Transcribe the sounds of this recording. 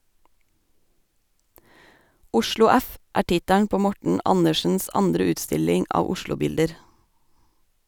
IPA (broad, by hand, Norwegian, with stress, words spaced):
ˈʊʃlʊ ˈæf ˈʔæː ˈʈɪtæɳ ˈpoː ˈmɔʈɳ̩ ˈʔɑnəʃn̩s ˈɑndɾə ˈʉːtˌstɪlɪŋ ˈɑːʋ ˈʊʃlʊˌbɪldəɾ